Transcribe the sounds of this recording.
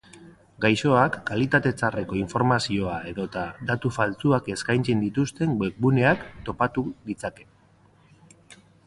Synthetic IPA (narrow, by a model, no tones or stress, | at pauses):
ɡajso̞akːalit̪at̪e̞t͡sare̞ko̞iɱfo̞ɾmasio̞ae̞ðo̞t̪ad̪at̪ufalt͡suake̞skajnt͡send̪it̪ust̪e̞ŋɡwek̚bune̞akt̪o̞pat̪uɣit͡sake̞̥